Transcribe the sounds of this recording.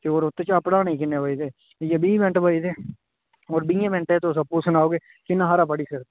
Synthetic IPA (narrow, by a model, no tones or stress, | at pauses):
keoːɾʊt̪ːet͡ʃaːpɽaːnĩːkɪnːeːbəid̪eː | jebiːbɛ̃ɳʈbəid̪eː | oːɾbĩẽːbɛ̃ɳʈẽːt̪osəpːuːsənaːoːɡeː | kɪnːãɦaːɾaːpəɽiːsəɾ